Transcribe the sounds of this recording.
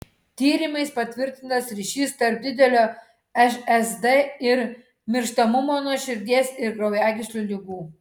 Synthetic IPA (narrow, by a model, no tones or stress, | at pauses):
t̪ʲiːɾʲɪmɐɪspɐt̪ʲʋʲɪɾʲt̪ʲɪnt̪ɐsɾʲiːʃʲiːst̪ɐɾp̚d̪ʲɪd̪ʲɛlʲoː | ɛʃɛzd̪eɪɾ | mʲɪɾʃt̪ɐmʊmoːnuɔʃʲɪɾʲd̪ʲiɛsɪɾɡɾɐʊjæːɡʲɪʃʲlʲuːlʲɪɡuː